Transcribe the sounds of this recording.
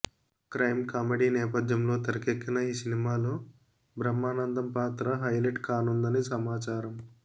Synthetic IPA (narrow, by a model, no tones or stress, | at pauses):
kɾɐjmkaːmeɽiːnɛːpɐd̪jɐmlo̞ːt̪ɐɾɐkekːinɐiːsinimaːloː | bɾɐmːaːnɐnd̪ɐmpaːt̪ɾɐɦɐjleʈkaːnund̪ɐnisɐmaːt͡ʃaːɾɐm